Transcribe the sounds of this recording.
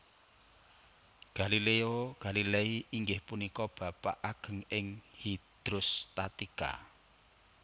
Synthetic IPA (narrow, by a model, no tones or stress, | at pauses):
ɡ̥a̤lileoɡ̥a̤lileiʔiŋɡɪhpunikɔb̥ä̤pa̰ʔaɡ̥ə̤ŋɪŋhid̪̥ɾʊst̪at̪ika̰